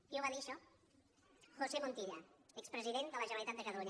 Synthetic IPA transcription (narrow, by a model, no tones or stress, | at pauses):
iuβaðiʃɔ | xosemont̪iʎaɛkspɾəziðend̪ələʒənalit̪at̪̚d̪əkət̪əluɲ